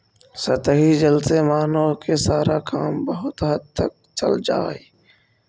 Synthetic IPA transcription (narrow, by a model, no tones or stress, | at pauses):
sɐt̪əɦid͡ʒəlsemaːnokesaːɾakaːmbɐɦʊt̪ɦət̪ʰːək̚t͡ʃə̰ld͡ʒa̰ːɦeː